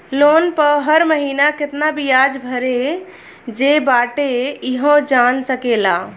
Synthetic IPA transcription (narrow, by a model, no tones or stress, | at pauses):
lonpəɦəɾməɦinaket̪nabijad͡ʒbʱəɾe | d͡ʒebaʈeiɦõd͡ʒansəkela